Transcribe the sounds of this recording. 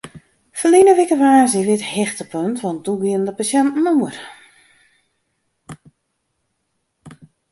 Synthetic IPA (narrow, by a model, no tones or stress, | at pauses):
fəlinəʋɪkəʋaːziʋɪthɛxtəpʰøntʋɔn̚d̥uɡiəndəpasjɛntn̩uər